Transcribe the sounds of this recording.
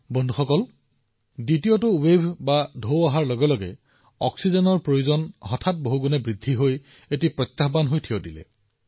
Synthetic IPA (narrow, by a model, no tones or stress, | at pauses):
bɔndʱuxɔkɔl | ditijotʊwebʱbadʱowaɦaɹlɔɡɛlɔɡɛ̰ | ɔ̰ksizɔnɔɹpɹojuzɔnɦɔtʰat̚boɦuɡunɛbɹidʱːiɦoj | etipɹɔt̪ːaɦbanɦojtʰiodilɛ̰